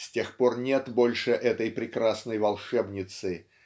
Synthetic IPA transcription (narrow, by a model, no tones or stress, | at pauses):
sʲtʲe̞xpo̞rnʲe̞t̪bo̞lʲʂɨʔɛt̪əjpɾʲɪkɾasnəjvɐlˠʂɛbnʲɪt̪sɨ